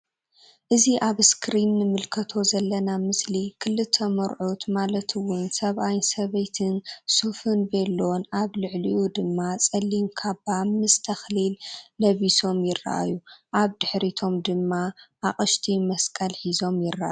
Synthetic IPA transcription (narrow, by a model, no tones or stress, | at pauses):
ʔɨziʔaβskʰɾinːɨmɨlkʰɐt̪ʰo̞zɐlːɐnamɨslikʰɨlːɨt̪ʰːɐmɐɾʕut̪malɐt̪ʰɨwʊnsɐβʔajnsɐβɐjt̪ʰɨnsufɨnbelːonʔaβlɨʕliʔud̪ɨmːat͡sʼɐlːinkʰaβamɨst̪ʰɐxlilːɐβiso̞mjɪrːa̰ʔa̰juʔaβd̪ɨħɾit̪ʰo̞md̪ɨmːaʔaχʼɨʃt̪ʰimɐskʼɐlħizo̞mjɪrːa̰ʔa̰j